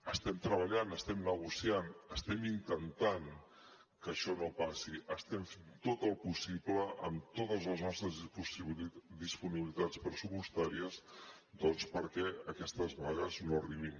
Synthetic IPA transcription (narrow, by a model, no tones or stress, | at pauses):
əst̪ɛmt̪ɾəβəʎanəst̪ɛmnəɣusianəst̪ɛmint̪ənt̪aŋ | kəʃɔnopasiʔəst̪ɛmfnt̪ot̪əlˠpusipləʔəmt̪ot̪əzləznɔst̪ɾəzpusild̪ispuniβilit̪at͡spɾəsupust̪aɾiəz | d̪ɔnspəɾkɛəkɛst̪əzβaɣəznoriβim